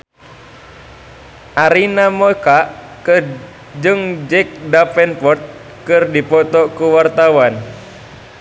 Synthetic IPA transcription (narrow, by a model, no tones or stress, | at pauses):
ʔaɾinamɔkaʔ | kɨr | d͡ʒɨŋd͡ʒɛk̚dapɛnpɔrt̪̚ | kɨrdipɔt̪ɔkuwart̪awan